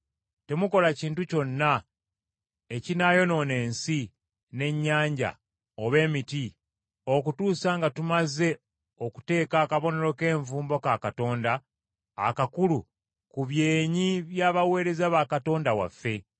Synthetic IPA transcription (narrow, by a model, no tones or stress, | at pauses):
te̞muko̞laciːntuco̞nːa | ecinajo̞no̞ne̞ːnsi | ne̞ɲːaːɲɟa̰ | oβe̞ːmiti | o̞kutuːsaːŋɡatumaze̞ | o̞ku̥te̞ːkaːkaβo̞ne̞ɾo̞ke̞ːɱvuːmbo̞kakato̞ːnda̰ː | kakulu | kuβje̞ːɲiβjaːβawe̞ːɾe̞zaβakato̞ːndawa̰fːe̞